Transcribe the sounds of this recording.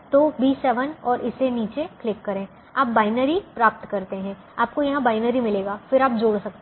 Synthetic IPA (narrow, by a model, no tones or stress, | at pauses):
t̪oːbiːsːɛːʋənɔːɾʔɪseniːt͡ʃeklɪkːɐɾẽː | aːp̚baːɪnəɾipɾaːp̚t̪kɐɾt̪eɦɛ̃ː | aːp̚kojɐɦãbaːɪnəɾimɪleːɡaːfɪɾaːp̚d͡ʒoːɽsɐk̚t̪e